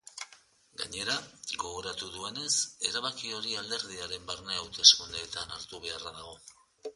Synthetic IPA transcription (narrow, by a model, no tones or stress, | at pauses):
ɡa̰ɲe̞ɾaɡo̞ɣo̞ɾat̪uðue̞ne̞se̞ɾaβakio̞ɾiald̪e̞ɾðiaɾe̞mbarneawt̪e̞skund̪eːt̪anaɾt̪uβ̞e̞araðaɣ̞o̞